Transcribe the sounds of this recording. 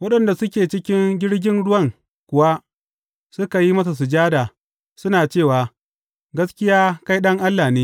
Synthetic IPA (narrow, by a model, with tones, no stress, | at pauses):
wɐ˦ɗɐ˨nda˨sʊ˦kʲeː˨t͡ʃɪ˦kʲɪ˦ŋɡʲɪ˦ɽɡʲɪ˦nɽʊ˦wɐ˦˨ŋ | kʷʊ˨wa˦ | sʊ˦ka˨ji˦mɐ˦s̬a˨s̬ʊ˨d͡ʒaː˦daː˨ | sʊ˦naː˨t͡ʃeː˦˨waː˨ | ɡɐ˦skʲɪ˦jaː˦ka˦jɗɐ˦ŋʔa˦lːaː˨neː˦